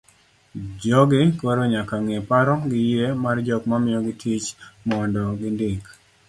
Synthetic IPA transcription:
d͡ʒɔɡɪkoɾoɲakaŋepaɾɔɡɪjemard͡ʒɔkmamɪjɔɡɪtʰit͡ʃmɔndɔɡɪndik

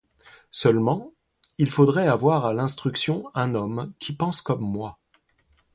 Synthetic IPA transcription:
sœlmɑ̃ | ilfod̪ʁɛavwaʁalɛ̃st̪χyksjɔ̃ɛ̃nɔmkʲʰipɑ̃skɔmːwa

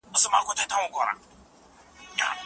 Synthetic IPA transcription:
ʊsumakʷotatawɔŋkʷɔɾa̰ | a̰

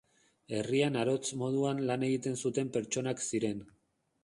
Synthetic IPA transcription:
e̞rianaɾo̞t͡smo̞ð̞uanlane̞ɣit̪e̞nsut̪e̞mpe̞ɾt͡ʃo̞naksiɾe̞n

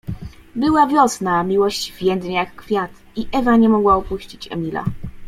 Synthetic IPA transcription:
bɘwavʲjɔsnamʲiwɔɕt͡ɕvʲjɛnd̪ɲejakːfʲjat̪ | iʔɛvaɲɛmɔɡwaɔpuɕt͡ɕit͡ɕɛ̰mʲila̰

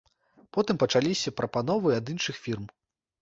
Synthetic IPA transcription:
pɔt̪ɨmpɐt͡ʂalʲisʲɐpɾʔɐpanɔvɨɐd̪inʂɨxfʲirm

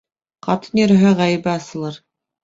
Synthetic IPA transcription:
qɑt̪ɤnʲĭɾɘ̆ɦæʁæjɘ̆bɘɑsɤ̆lˠɤɾ

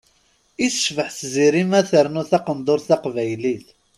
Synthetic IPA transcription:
iθəʃvəħθziɾimæθəɾnʊθɑqənd̪ˤoɾθɑqvæjliθ

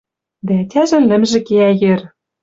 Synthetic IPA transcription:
d̪æætʲæʒɘ̆nlɘ̆mʒĕkeæjĕr

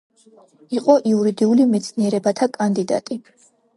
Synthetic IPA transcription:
iqʼɔʔiuɾid̪iulimɛt̪sʰniɛɾɛbat̪ʰakʼand̪id̪a̰t̪ʼi

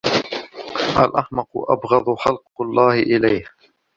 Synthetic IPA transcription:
ʔalʔaħmɑqʔa̰bɣɑðˤħɑlqlˤːɑːhɪʔɪlajh

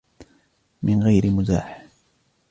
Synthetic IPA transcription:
mɪnɣajɾɪmʊd̪a̰ːħ

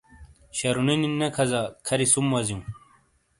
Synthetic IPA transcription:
ɕɐɾunininːekʰɐzakʰɐɾisumwɐzjũ

